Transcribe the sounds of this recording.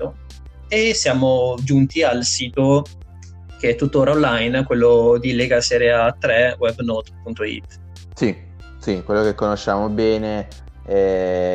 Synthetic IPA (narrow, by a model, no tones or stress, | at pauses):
o | esːjaːmod͡ʒunt̪ialsiːt̪o | k̟eɛt̪ːut̪ːoːɾaõnlajnkwelːod̪ilɛːɡasɛːɾɛat̪ːɾɛwɛbnɔt̪punt̪oḭt̪ː | si | sikwelːokekːonoʃːaːmobɛːne | ɛ